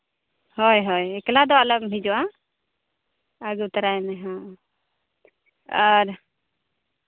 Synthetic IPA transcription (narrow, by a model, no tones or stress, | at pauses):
hɔjɦɔjɛklad̪ɔaləkmid͡ʒɔa | əɡut̪əɾajnɛɦã | əɾ